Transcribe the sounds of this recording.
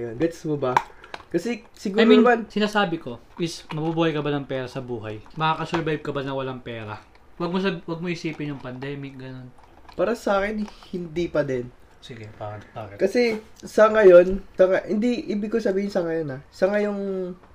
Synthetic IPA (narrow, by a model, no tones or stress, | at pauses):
jonɡɛt̪smobɐkɐsɛ | sɪɡuajɾimansɪnaːsaːbɪko̞ | ʔɪsmɐbubuːhɐjkɐbanɐŋpɛːɾɐsɐbuːɦɐjmɐkaːkɐsɛɹbajb̚kɐbanɐwɐlaŋpɛːɾɐ | wɐɡ̚mos̬ɐbwɐɡ̚mohɪsiːpɪnjʊŋpɐnd̪ɛːmɪk̚ɡɐno̞n | paːɾɐsaːkɛnhɪnd̪ipɐd̪ɛn | sɪɡebabaːkɪkɐsɛ | sɐŋɐjo̞nsɐŋahɪnd̪iʔiːbɪɡkosɐbiːhɪnsɐŋɐjo̞nasɐŋajʊŋ